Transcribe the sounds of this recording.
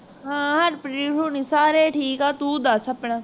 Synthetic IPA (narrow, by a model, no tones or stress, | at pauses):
ɦãːɦɐɾpɾiːʈuːniːsaːɾeːʈʰiːkaːt̪uːd̪asəpɳaː